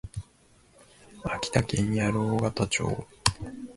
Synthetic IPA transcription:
akʲi̥t̪akẽɲ̟ːijaɾɯoːɡat̪at͡ɕo̰ː

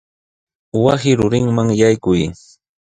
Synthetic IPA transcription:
wasɪɾʊɾɪŋmaŋjajkʊj

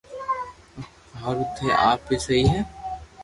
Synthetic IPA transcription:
bʱaːɾʊt̪ɦeʔa̰ːpːesɐɦiɦɛː

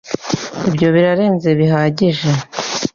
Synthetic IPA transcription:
ibjo̞βiɾaɾe̞ːnze̞βiɦaːɟiʒe̞

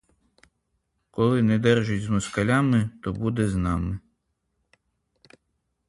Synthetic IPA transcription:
kɔlˠɪnɛd̪ɛrʒʊtʲzmʊskɐlʲɑmɪt̪ɔbud̪ɛznɑmɪ

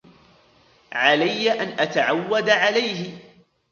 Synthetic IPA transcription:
ʕalajːaʔanʔat̪aʕawːad̪ʕalajɦɪ

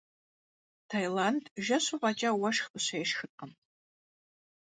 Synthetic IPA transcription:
tʰajlandʒɐɕʷuqʼɐt͡ʃʼɐwɐʂxɨɕʷejʃxɨtʼəm

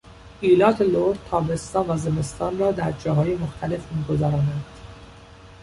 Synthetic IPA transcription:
ʔiːlɒːt̪ʰeloɾdt̪ʰːɒːbe̞st̪ɒːnvæze̞me̞st̪ɒːnrɒːd̪æɾd͡ʒɒːɦɒːje̞moxt̪ʰæle̞fmiːɡo̞zæɾɒːnænd̪̥

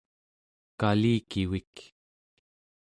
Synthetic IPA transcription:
kaliːkiwik

